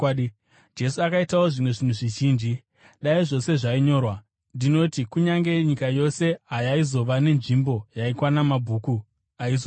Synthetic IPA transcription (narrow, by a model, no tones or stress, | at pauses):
d͡ʒe̞suakaitawo̞ʐimwe̞ʐinuʐiʒiːnd͡ʒi | ɗaiʐo̞se̞ʐaiɲo̞ːrwa | ndino̞tikuɲaŋɡe̞ɲikajo̞se̞ɦajaizo̞ʋane̞nʐimbo̞jaikwanamabʱuːku | aizo